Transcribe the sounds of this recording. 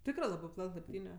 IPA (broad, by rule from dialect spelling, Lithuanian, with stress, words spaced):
ˈtʲɪkrɜ ˈlˠɑːbɜ ˈplˠɐtʲ lˠɐɪpʲˈtʲiːnʲɛ